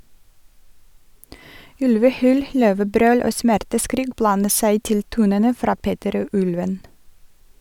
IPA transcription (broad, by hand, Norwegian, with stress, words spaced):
ˈʉlʋəˌhyːl ˈløːʋəˌbɾøːl ˈoː ˈsmæɾtəˌskɾiːk ˈblɑnə ˈsæɪ ˈtɪl ˈtuːnənə ˈfɾɑː ˈpeːtəɾ ˈoː ˈʔʉlʋən